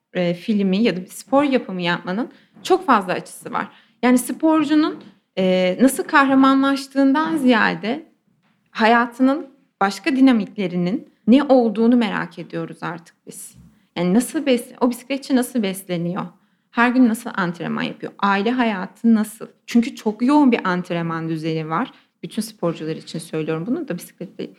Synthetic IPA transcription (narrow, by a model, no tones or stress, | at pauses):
ɛːfilʲmijad̪abspʰo̞ɾjapʰɯmɯjapmanɯn | t͡ʃʰo̞kfazlˠaːt͡ʃʰɯ̥sɯva̰ɾ̥ | jaːnisɯpo̞ɾd͡ʒunun | ɛːnasɯlˠkʰahɾamanlˠaʃt̪ʰɯːnd̪anzija̰ːɾd̪ɛ | hajaːt̪ʰɯnɯn | b̥aʃkad̪inamiclʲe̞ɾininːɛʔo̞lˠd̪uːnume̞ɾa̰cʰe̞d̪ijo̞ɾuzaɾt̪ʰɯ̥k̚biz̥ | jaːninasɯlˠbɛslʲɛʔo̞bisi̥klʲɛt̪t͡ʃʰːɛnasɯlˠbɛslʲe̞nijo̞ | hæɾɟynːasɯlˠʔant̪ʰiɾḛma̰nja̰pʰɯjo̞̰ʔaːilʲɛɦajaːt̪ʰɯnasɯ̰lˠt͡ʃʰyɲcʰyt͡ʃʰokjo̞unbiʔant̪ʰiɾemand̪yze̞nivaɾ̥ | b̥yt̪ʰynsɯ̥pʰo̞ɾd͡ʒulˠaɾɯit͡ʃʰinsø̞jlʲijo̞ɾumbunud̪abisi̥clʲɛt̪̚lʲelʲi